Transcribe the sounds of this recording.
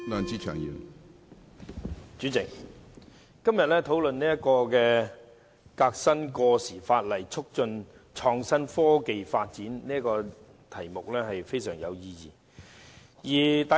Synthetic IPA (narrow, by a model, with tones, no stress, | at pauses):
lœː˨˧nt͡siː˥t͡ʃʰœː˨˩ŋjy̰ː˨˩n | t͡ʃyː˨˥t͡sɪ˨k̚ | kɐ˥mjɐ˨t̚lɛː˥t̪ʰo˨˥wlɵ˨nniː˥jɐ˥tkɔː˧kɛː˧ | kaː˧k̚sɐ˥nkɔː˧siː˨˩faː˧t̚lɐ˨˩jt͡sʰʊ˥k̚t͡ʃɵ˧n | t͡ʃʰɔː˧ŋsɐ˥nfɔː˥ke˨jfaː˧t̚t͡siː˨˥nniː˥ɐ˥kɔː˧ | t̪ʰɐ˨˩jmʊ˨k̚lɛː˥ɦɐ˨jfe˥jsœː˨˩ŋjɐ˨˧wjiː˧jḭː˨˩ | jiː˨˩t̪a˨